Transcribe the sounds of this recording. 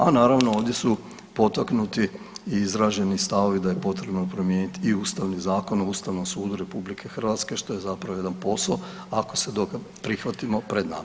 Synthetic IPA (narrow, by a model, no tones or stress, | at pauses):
a̰naːɾaʋnoo̞ːʋd̪je̞su | po̞t̪aknut̪iː | izɾaʒe̞nist̪aʋo̞ʋid̪aje̞po̞t̪ɾe̞bnopɾo̞mje̞ːnit̪iːuːst̪aʋnizaːko̞nouːst̪aʋno̞msuːd̪uɾe̞publikʰe̞xr̩ʋat̪ske̞ʃt̪o̞jezapɾaʋoje̞d̪anpo̞sao | ako̞se̞d̪oka | pɾixʋat̪imo̞pɾe̞d̪na̰m